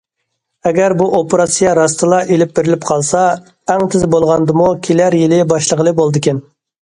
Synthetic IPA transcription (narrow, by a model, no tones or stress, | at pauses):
ɛɡʲæɾbuʔopɾɑsijɑɾɑst̪ɨlˠɑʔelɪp̚beɾɪlɪpqʰɑlˠsɑ | æŋt̪ʰɪzbolˠʁɑnd̪ɨmukʲʰelæɾjɪlɪbɑʃlˠəʁəlˠɨbolˠd̪ɨkʲɛn